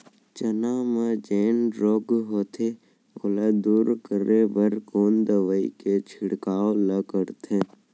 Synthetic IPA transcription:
t͡ʃənamed͡ʒeːnɖɾoːɡɦoːt̪ʰe | əlad̪uːɾkəɾebəɾkoːnd̪əʋəḭket͡ʃʰɪɽkaːoləkəɾt̪ʰẽ

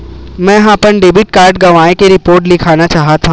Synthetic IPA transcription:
mɛ̃ɦaːpənɖeːbɪʈ̚kaːɾɖɡɐʋaːẽkeɾɪpoːɾʈ̬lɪkʰaːnat͡ʃaːɦat̪ʰã

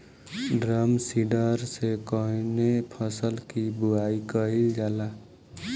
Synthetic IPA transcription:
ɖɾəmsiɖəɾsekɔɦnepʰəsəlkibuaikəild͡ʒala

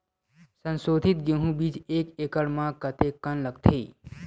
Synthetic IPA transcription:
sə̃nsoːd̪ʱɪt̪̚ɡeɦũbid͡ʒeːkeːkəɽmãkət̪ekːənləɡ̚t̪ʰeː

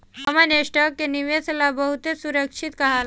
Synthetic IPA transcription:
əmaneʂʈəkːeniʋeslabəɦut̪esuɾəkʂit̪kaɦal

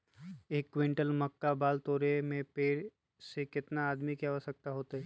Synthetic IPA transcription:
eːkːʋɪ̃ɳʈəlmɐkːabaːlt̪oːɾemẽpeːɽ | sekɪt̪naːd̪mikeaʋəsək̚t̪aɦoːt̪aɦɛ

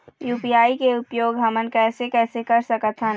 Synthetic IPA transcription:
juːpiaːikeʊpjoːɡɦɐmənkɛːsekɛːsekɐɾsəkət̪ɦɛ̃n

